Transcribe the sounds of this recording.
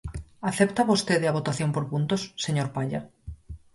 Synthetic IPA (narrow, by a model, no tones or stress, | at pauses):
aθept̪aβost̪eðeaβ̞ot̪aθjompoɾpunt̪osːeɲoɾpaʎa̰